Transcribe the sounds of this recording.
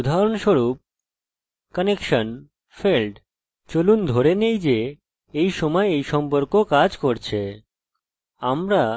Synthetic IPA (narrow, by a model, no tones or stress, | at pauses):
ud̪ʱaɾonʃoɾup̚ | kɔnekʃon | felʈ | t͡ɕolund̪ʱoɾenejd͡ʑe | ejʃɔmɔeejʃɔmpoɾkokad͡ʑkoɾt͡ɕʰe | amɾa